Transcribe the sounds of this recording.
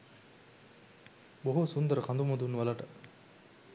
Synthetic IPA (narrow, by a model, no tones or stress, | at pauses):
boɦusund̪əɾəkʰand̪umod̪unːʋɐlɐʈə